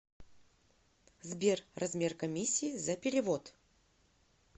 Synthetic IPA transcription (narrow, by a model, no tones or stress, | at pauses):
zbʲerrɐzmʲe̞rkɐmʲisʲːiːzɐpʲɪɾʲɪvo̞t̪